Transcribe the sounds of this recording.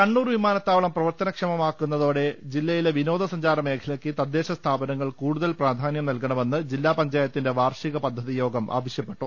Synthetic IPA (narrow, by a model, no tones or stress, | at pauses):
kɐɳːuːrʋimaːnɐt̪ːaːʋɐɭɐmprɐʋɐrt̪ɐnɐkʂɐmɐmaːkːunːɐðo̞ːɽe̞d͡ʑilːɐjileʋino̞ːd̪ʱɐsɐɲd͡ʑaːɾɐme̞ːkʰɐlɐkːɨt̪ɐd̪ːe̞ːɕɐst̪ʰaːbɐnɐŋːɐɭkuːɽuðɐlpraːd̪ʱaːnjɐmnɐlkɐɳɐme̞nːɨd͡ʑilːaːpɐɲd͡ʑaːjɐt̪ːinde̞ʋaːrʂiɣɐpɐd̪ʱːɐðijo̞ːɡɐmʔa̰ːʋɐɕjɐpːe̞ʈːu